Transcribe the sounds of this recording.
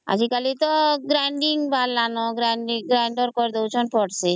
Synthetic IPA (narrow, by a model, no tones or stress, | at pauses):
a̰d͡ʒikalit̪ɔɡɾaɳɖiŋbalːanɔɡɾaɳɖiɡɾaɳɖɔɾkɔɾd̪ewt͡ʃʰɔnpɔʈse